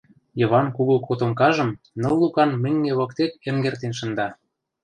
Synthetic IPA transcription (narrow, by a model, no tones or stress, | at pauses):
jɤ̆βɑnkuɣokot̪omkɑʒɤ̆m | nɤ̆lːukɑnmɘ̆ŋɡeβɤ̆kt̪ekĕŋɡert̪enʃɤ̆nd̪ɑ